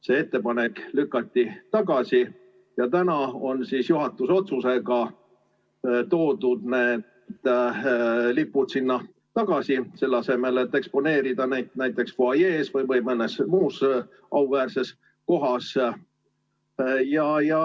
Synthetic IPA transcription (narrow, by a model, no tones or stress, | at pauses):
se̞ːet̪ːe̞pɑneklykːˑɑt̪ʲːit̪ɑɡɑsi | jɑt̪ænɑo̞nsisjuɦɑt̪ːˑuso̞t̪suse̞ɡɑ | t̪o̞ːd̪ud̪neː | d̪̥ | lipːut̪sinːɑ | t̪ɑɡ̥ɑsise̞lːɑse̞me̞le̞t̪ːe̞kspo̞ne̞ːɾid̪̥ɑnæjt̪næjt̪ːˑe̞ksfoɑjeːsvɤjvɤjmɤnːe̞smuːs | ʔɑuvæːrse̞s | ko̞ɦɑs | jɑjɑ